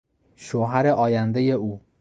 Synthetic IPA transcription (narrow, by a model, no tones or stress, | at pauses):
ʃoɦæɾeʔɒːjænd̪ejeuː